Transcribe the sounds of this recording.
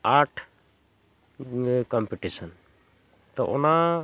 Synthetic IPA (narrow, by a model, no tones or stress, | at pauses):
aɾʈʰ | kɔmpiʈisən | t̪ɔʔɔna